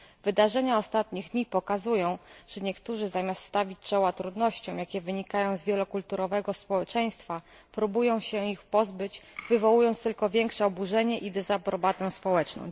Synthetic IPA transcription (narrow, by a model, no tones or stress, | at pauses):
vɘd̪aʐɛɲaɔst̪at̪ɲiɣd̪ɲipɔkazujɔ̃w̃ʐ̥ɛɲɛkt̪uʐɘzamʲast̪st̪avʲit͡ɕt͡ʂɔwat̪ɾud̪nɔɕt͡ɕɔ̃w̃jakʲɛvɘɲikajɔ̃w̃zvʲjɛlɔkult̪uɾɔvɛɡɔspɔwɛt͡ʂɛj̃st̪fa | pɾubujɔ̃w̃ɕɛixpɔzbɘt͡ɕvɘvɔwujɔnt̪st̪ɘlkɔvʲjɛŋkʂɛɔbuʐɛɲɛʔid̪ɛzapɾɔbat̪ɛw̃spɔwɛt͡ʂnɔ̰̃w̃